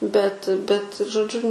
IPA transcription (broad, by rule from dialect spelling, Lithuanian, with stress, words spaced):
bʲɛt bʲɛt ʒoːˈd͡ʒʲʊ